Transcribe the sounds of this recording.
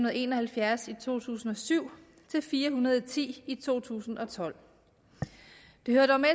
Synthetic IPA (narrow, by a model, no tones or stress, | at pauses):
unɐð̩ˠe̝nɒ̽hælfjæɐsit͡sʰo̝̰ːt͡sʰṵːsn̩ɒ̽syʊ̰ | t͡sʰe̝lfiːɐɦunɐð̞ˠt͡sʰḭːit͡sʰo̝̰ːt͡sʰṵːsn̩ɒ̽t͡sʰɒ̽l̰ | d̥e̝høɐd̥ɒme